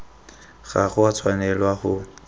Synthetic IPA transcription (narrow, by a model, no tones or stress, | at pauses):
ɣaɣʊwat͡sʰwanɛlwaχʊ